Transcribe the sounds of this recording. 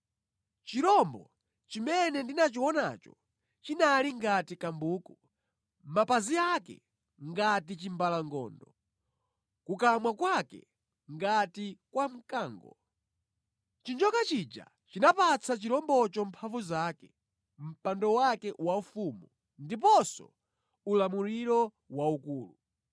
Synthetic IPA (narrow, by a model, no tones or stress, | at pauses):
t͡ʃiɾɔmbɔ̰ | t͡ʃimɛnɛndinat͡ʃiwɔna̰ːt͡ʃɔ̰ | t͡ʃinaliŋɡatikambuːku | mapaziakɛ̰ | ŋɡatit͡ʃimbalaŋɡɔ̰ːndɔ | kukamwakwakɛ̰ | ŋɡatikwam̩kaːŋɡɔ̰ | t͡ʃind͡ʒɔkat͡ʃid͡ʒa̰ | t͡ʃinapat͡sʰat͡ʃiɾɔmbɔt͡ʃɔm̩pʰavuzaːkɛ | m̩pandɔwakɛwaufumu | ndip̬ɔsɔ̰ | ulamuɾiɾɔ | waukuːlu